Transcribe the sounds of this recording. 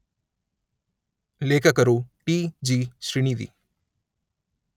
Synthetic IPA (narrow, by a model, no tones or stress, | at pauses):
leːkʰəkəɾoːʈiːd͡ʒiːʃɾɪɳiːd̪ḭː